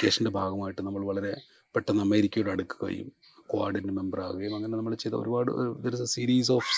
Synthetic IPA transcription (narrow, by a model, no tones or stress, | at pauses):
keːʂɐnnde̞bʱaːɡɐmaːjiʈːɨnɐmːɐɭʋɐɭɐɾe̞ | peʈːɐnɐmːɐjiɾikʲːɐjoːɽɐɽukːɨ̥kɐ̰jṵm | kwa̰ːrɖɐnɨme̞mbɐra̰ːɣuɣɐjumɐŋːɐnenɐmːɐɭt͡ɕːe̞jt̪ɐ̰o̰ɾubaːɽɨ̰d̪ɐɾɐsɐsiːɾiːs̬oːf